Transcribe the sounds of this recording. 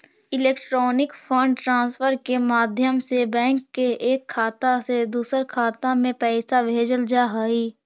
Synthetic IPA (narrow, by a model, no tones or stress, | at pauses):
ɪleːkʈɾɔːnɪkpʰə̃ɳɖʈɾãːnsfʰəɾkemaːd̪ʱjəmsebɛ̃ːŋkːeeːkʰːaːt̪ased̪uːsəɾkʰaːt̪ãmẽpɛːɪsabʱeːd͡ʒəld͡ʒaːɦaːiː